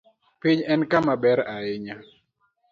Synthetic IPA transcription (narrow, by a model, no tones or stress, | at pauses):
piɲɛnkamabɛɾaɪɲa